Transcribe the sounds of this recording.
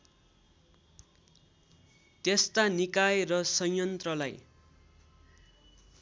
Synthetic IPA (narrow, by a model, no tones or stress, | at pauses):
t̪est̪anikajrʌsʌjjʌnt̪rʌla̰j